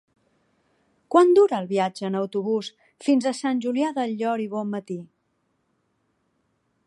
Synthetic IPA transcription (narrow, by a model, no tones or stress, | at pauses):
kwand̪uɾəːlˠβiad͡ʒəːnəwt̪uβ̞us | finzəsanʲʒuliaðəʎɔɾiβɔmːət̪i